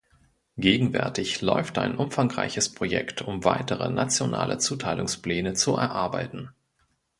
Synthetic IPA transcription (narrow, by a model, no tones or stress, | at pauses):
ɡ̥eːɡŋ̩vɛ̰ɐtɪçlɔʏftʔa̰ɪnʔʊmfaŋʁa̰ɪçəspʁ̥ojɛ̰ktʰʊmvaɪtəʁ̞ə̰nat͡sjona̰ːlə̰t͡suːtʰaɪlʊŋsplɛːnət͡suɛ̰ɐʔaɐbaɪtn̩